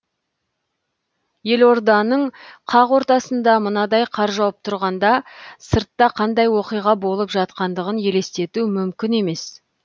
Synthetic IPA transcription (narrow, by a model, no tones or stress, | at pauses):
je̞lo̞ɾd̪ɑnəɴqʰɑʁwo̞ɾt̪ɑsənd̪ɑmənɑd̪ɑjqʰɑɾʒɑwəp̚t̪ʰʊɾʁɑnd̪ɑsəɾt̪ːɑqʰɑnd̪ɑjwo̞qijʁɑbo̞lˠəpʒɑt̪̚qɑnd̪əʁənje̞le̞st̪e̞t̪umʏmkʲɪne̞me̞s